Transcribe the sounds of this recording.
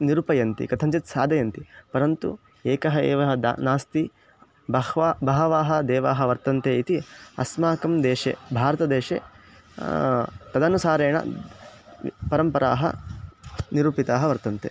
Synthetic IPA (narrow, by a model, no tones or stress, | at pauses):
niɾupɐjɐnt̪ḭkɐt̪ʰɐɲt͡ʃɐt̪saːd̪ɐjɐnt̪ipɐɾɐnt̪ṵ | eːkɐɦɐḛːʋɐɦɐd̪̰naːst̪i | bɐhʋabɐɦɐʋaːɦɐ̆d̪ɛːʋaːɦɐʋɐɾt̪ɐnt̪eːit̪iɐ̰smaːkɐmd̪eːʃḛbʱaːɾɐt̪ɐd̪eːʂḛː | t̪ɐd̪ɐnusaːɾeːɳɐ̰ | pɐɾɐmpɐɾa̰ːɦɐ̰ | niɾuːpit̪aːɦɐʋɐɾt̪ɐnt̪ḛ